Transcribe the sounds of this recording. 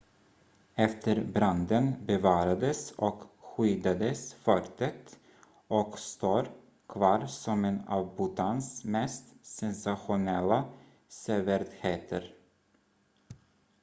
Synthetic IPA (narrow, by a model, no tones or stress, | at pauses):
ɛft̪ʰəɾbɾand̪ənbɛvɑːɾad̪əsɔkɧyːd̪ad̪əsfœɾt̪ət̪ | ɔkst̪oːɾ | kʰvɑːɾsɔmɛnɑ̰ːvbʊt̪ʰansmɛst̪sɛnsaɧʊnɛlːa | sɛːvəɾt̪heːt̪ʰəɾ